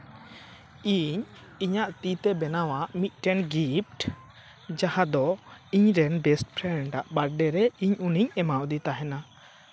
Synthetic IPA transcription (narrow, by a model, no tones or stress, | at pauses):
iɲiɲaʔt̪it̪ɛbɛnawaʔmit̪̚ˀʈɛnɡip̚ʈ | d͡ʒahad̪ɔiɲɾɛnbɛsʈpʰɾɛɳɖaʔbaɾɖɛɾɛiɲuniɲɛmawd̪it̪aɦɛna